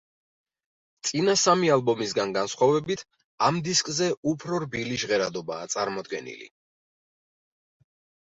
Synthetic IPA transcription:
t̪sʼinasamialˠbɔmisɡanɡansχwavɛbit̪ʰ | amd̪iskʼzɛupʰɾɔɾbiliʃʁɛɾad̪ɔba̰ːt̪sʼaɾmɔd̪ɡɛ̰nḭlḭ

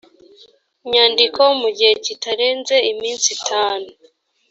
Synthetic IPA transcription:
ɲaːndikoumuɟihecitaɾe̞ːnze̞imiːnsitʰaːnu

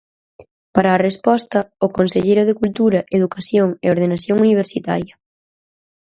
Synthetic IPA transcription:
paɾɐːrespɔst̪ɐʊkonseʎejɾʊðekult̪uɾɐʔeðukaθjoŋɛ̰oɾð̞enaθjoŋuniβ̞eɾsit̪a̰ɾjɐ

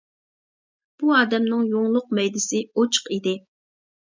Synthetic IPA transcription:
b̥uɑːd̪ɛmnɪŋjoŋlˠʊq̚mɛjd̪ɪsɪot͡ʃʰə̥qid̪ɪ

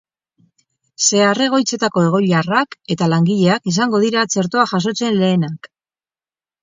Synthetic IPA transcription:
se̞are̞ɣ̞o̞jt͡se̞t̪ako̞e̞ɣ̞o̞ʎarake̞t̪alaŋɡiʎe̞akisaŋɡo̞ð̞iɾat͡se̞ɾt̪o̞aʝas̬o̞t͡se̞nle̞ːnak

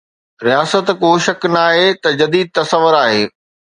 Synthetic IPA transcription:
ɾijaːsət̪kʊɦʃɐknaːɦet̪ɐd͡ʑɐd̪iːd̪̚t̪ɐsɐʋːəɾaːɦeː

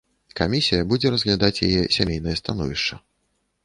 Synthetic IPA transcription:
kamʲisʲijɐbud͡zʲɛɾɐzɣlʲad̪at͡sʲja̰jɛsʲamʲejnɐjɐst̪an̪ɔ̰vʲiʂt͡ʂɐ

